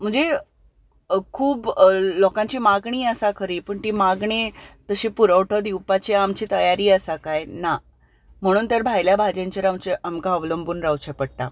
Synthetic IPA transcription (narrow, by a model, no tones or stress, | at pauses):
m̤əɳd͡ze | kʰuːblɔkãɲt͡ɕiːmaɡɳiːəsakʰəɾiːpəːɳt̪iːmaɡɳ̃et̪əɕĩpuɾəwʈʰəd̪iwpat͡ɕeamt͡ɕiːt̪əjaɾiːəsakajna | m̤əɽ̃uːnt̪əɾbʱajljabʱad͡ʑẽɲt͡ɕəɾamt͡ɕeamkaəʋləmbuːnɾawt͡ɕʰepəɽʈ̪a̰